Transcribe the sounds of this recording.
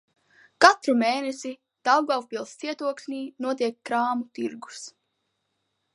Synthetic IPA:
kat̪ɾumeːnesi | d̪̥awɡawpilˠst̪siɛt̪uɔklʲnʲiːnuɔt̪iɛkːɾaːmut̪iɾɡu̥s

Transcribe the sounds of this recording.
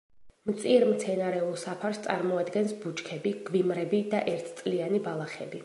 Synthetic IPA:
mt̪sʼiɾmt̪sʰɛnaɾɛulˠsapʰaɾst̪sʼa̰ɾmɔad̪ɡɛnsbut͡ʃkʰɛbiɡ̥vimɾɛbid̪aʔɛɾt̪ʰt̪sʼlianibalˠaχɛ̰bi

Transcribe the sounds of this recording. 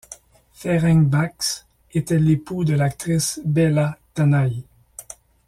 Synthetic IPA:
fɛʁɛŋbaks | et̪ɛlepud̪əlak̚t̪ʁisbɛlat̪anaj

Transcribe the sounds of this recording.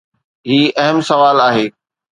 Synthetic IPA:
ɦiːɐɦəmsɐʋaːlaːɦeː

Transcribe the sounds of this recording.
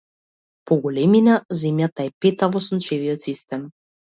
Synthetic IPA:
pɔɡɔlɛminazɛmjat̪aɛpɛt̪avɔsunt͡ʃɛviɔt̪sist̪ɛm

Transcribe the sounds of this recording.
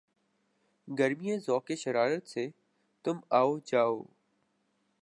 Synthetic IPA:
ɡəɾmijẽːzɔːkeːʃəɾaːɾət̪seː | t̪ʊmaːoːd͡ʒaːo̰ː

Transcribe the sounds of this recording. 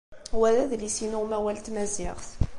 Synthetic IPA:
wæðæðlisinʊʁmæwælt̪mæziʁθ

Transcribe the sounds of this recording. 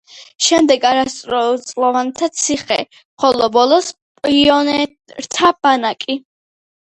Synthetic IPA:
ʃɛmd̪ɛɡaɾast̪ʼɾɔt̪sʼlˠɔvant̪ʰat̪sʰiχɛ̰ | χɔlɔbɔlˠɔs | pʼiɔnɛ | ɾt̪ʰab̥anakʼi

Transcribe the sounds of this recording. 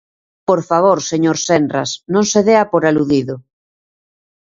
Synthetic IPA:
poɾfaβ̞oɾseɲoɾsendra̰snõŋseðeapoɾaluðiðo

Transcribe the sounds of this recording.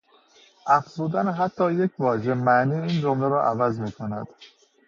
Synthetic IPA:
ʔæfz̥uːd̪ænɦæt̪ʰːɒːje̞cʰvɒːʒemæniːiːnd͡ʒomleɾɒːʔævæzmiːkʰonæ̰d̪̥

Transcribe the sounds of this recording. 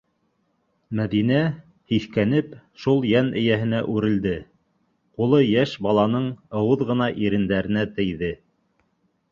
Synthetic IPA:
mæðinæ | hiθkænɘpʃulˠjænɘ̆jæɦɘ̆næʔʉɾɘ̆ld̪ɘ | qulˠɤjæʃbɑlˠɑnɤɴɤ̆wɤðʁɤ̆nɑʔiɾɘ̆nd̪æɾɘ̆næt̪ɘ̆jðɘ

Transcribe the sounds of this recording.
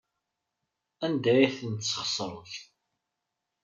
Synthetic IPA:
ænd̪æjiθənt̪sːə̥χsˤɾˤəθ

